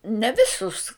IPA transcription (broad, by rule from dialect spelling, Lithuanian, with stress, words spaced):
nʲɛ ˈʋʲɪsʊs